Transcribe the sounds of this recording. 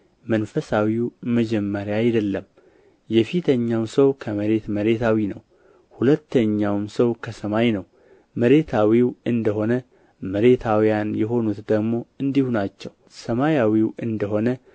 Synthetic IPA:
mənfəsawiwməd͡ʒɛmːəɾjaːjd̪əlːəm | jɛfit̪ʰəɲːawsəwkʰəməɾe̞t̪məɾe̞t̪ʰawinə̰w | hulət̪ːəɲːawmsəwkʰəsəmajnəw | məɾe̞t̪ʰawiwɨnd̪əɦo̞nə | məɾe̞t̪ʰawjanjɛɦo̞nut̪d̪əɡmo̞ɨnd̪ihunat͡ʃːɛw | səmajawiwɨnd̪əɦo̞nə

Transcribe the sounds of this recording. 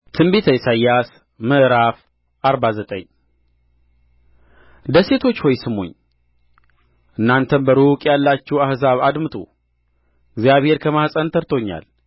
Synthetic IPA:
t̪ʰɨmbet̪ʰəjsajːas | məʔɾaf | ʔaɾbazət̪ʼə̰ɲ | d̪əse̞t̪ʰo̞t͡ʃːhojsɨmo̰ɲː | ʔɨnːant̪ʰənbəɾukʼjalːat͡ʃːɛwahzaβad̪mɨt̪ʰʼṵ | ɪɡzijaβhe̞ɾkʰəmahsʼənt̪ʰəɾt̪ʰo̞ɲːa̰l

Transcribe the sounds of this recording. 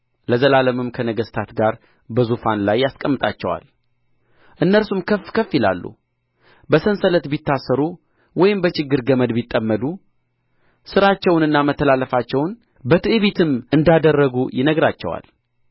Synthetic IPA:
ləzəlaləmɨmkʰənəɡəst̪ʰat̪ɡaɾ | bəzufanlajːaskʼəmːɨt̪ʼa̰t͡ʃːɛwa̰l | ʔɨnːəlsumkʰəfkʰəfjɪla̰lːṵ | bəsənsələt̪bit̪ːasːəɾu | wɔjɪmbət͡ʃɪɡːɨɾɡəməd̪bit̪ʼːəmːəd̪u | sɨɾat͡ʃːɛwnɨnːamət̪ʰːəlalːəfat͡ʃːɛwn | bət̪ʰɨʔɨβit̪ʰɨmɨnd̪ad̪ərːəɡujɪnəɡɾat͡ʃːɛ̰wa̰l

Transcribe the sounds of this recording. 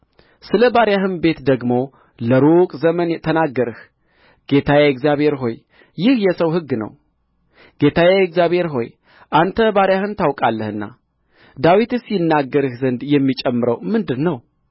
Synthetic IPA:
sɨləbaɾjaɦɨnbe̞t̪d̪əɡmo̞ | ləɾukʼzəmənt̪ʰənaɡːəɾɨh | ɡ̥e̞t̪ʰajaɛkzjaβhe̞ɾɦo̞j | jɪhjɛsəwɦɨɡːnə̰w | ɡ̥e̞t̪ʰajakzjaβhe̞ɾɦo̞̰j | ʔant̪ʰəbaɾjahɨnt̪awkʼalːəhɨnːa̰ | d̪awit̪ɨsjɪnːaɡːəɾɨhzənd̪jɛmːit͡ʃʼɛmːɨɾəwmɨnd̪ɨnːəw

